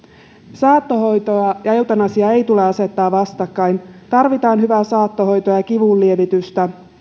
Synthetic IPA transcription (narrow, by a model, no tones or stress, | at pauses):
sɑːt̪ːoɦo̞jt̪oɑjɑe̞wt̪ɑnɑsiɑe̞jt̪ule̞ɑse̞t̪ːɑːʋʋɑst̪ɑkːɑjnt̪ɑrʋit̪ɑːnɦyʋæsɑːt̪ːoɦo̞jt̪ojɑkiʋullie̞ʋit̪yst̪æ